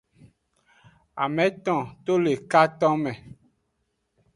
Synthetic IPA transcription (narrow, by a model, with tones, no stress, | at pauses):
a̰˨mɛ̃˨˦t̪ɔ̃˨to˦le˨ka˦tɔ̃˦mɛ̃˨